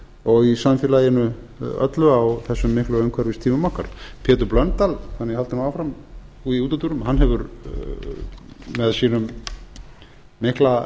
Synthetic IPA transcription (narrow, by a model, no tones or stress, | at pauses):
ɔɣisamfjɛːlajɪnʏœ̰t̪lʏawθɛsːʏmːɪhklʏœɥŋkʰvɛɾvɪst̪ʰiːmʏmɔhkaɾ̥pʰɛːt̪ʏɾplœnt̪alθanːɪhalt̪ɪmawfɾam | uiuːt̪ɔt̪uɾʏmɦanːɦɛvʏɾ | mɛðsiːnʏm | ɪhkla